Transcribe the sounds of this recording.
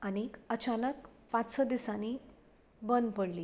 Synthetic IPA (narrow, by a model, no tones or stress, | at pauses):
anikət͡ɕanək | pãt͡ssəd̪isaniː | bənd̪pəɽliː